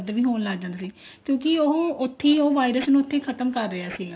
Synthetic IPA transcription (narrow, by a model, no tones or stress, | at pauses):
d̪ʋiːɦoːnlaːɡd͡ʒãːnd̪aːsiːkjõːkɪoɦʊt̪ʰːĩːoːʋaːɪɾəsnũːʊt̪ʰːẽːkʰət̪əmkəɾːɪaːsiːɡaː